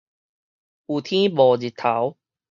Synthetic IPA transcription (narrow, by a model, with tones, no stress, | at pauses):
uː˨˩t̪ʰĩ˦bɔː˨d͡ʑi˨˩t̪ʰːa˨˦w